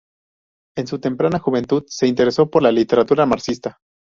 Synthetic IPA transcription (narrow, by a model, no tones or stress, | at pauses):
e̞nsut̪e̞mpɾanaxuβe̞nt̪uðse̞int̪e̞ɾe̞so̞po̞ɾlalit̪e̞ɾat̪uɾamaɾsist̪a